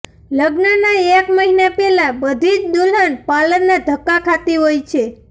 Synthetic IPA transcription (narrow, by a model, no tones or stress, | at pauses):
ləɡnənaekməɦinapɛlãbəd̪ʱid͡ʒd̪ulɦənpalənːad̪ʱəkːakʰat̪iɦojt͡ʃʰe